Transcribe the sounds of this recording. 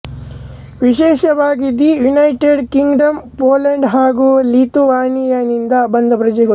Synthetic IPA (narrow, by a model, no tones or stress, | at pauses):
ʋiʃɛːʃɐʋaːɡid̪ijunɐjʈeɖkiŋɡɖɐmpoːlɐɳɖɦaːɡuːlit̪uʋaːnijɐnind̪ɐbɐnd̪ɐpɾɐd͡ʒɛɡɐ